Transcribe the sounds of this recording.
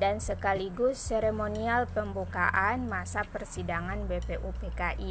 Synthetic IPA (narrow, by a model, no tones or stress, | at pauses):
dansəkaliɡʊsːeɾemonialpəmbuka̰ʔanmasapərsidaŋanbepeʔupekaʔi